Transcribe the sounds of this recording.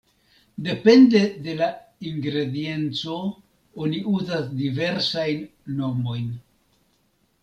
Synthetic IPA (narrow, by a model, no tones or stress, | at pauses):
de̞pe̞nde̞de̞laiŋɡɾe̞die̞nt͡so̞ | oniʔuzasdive̞ɾsajnːo̞mo̞jn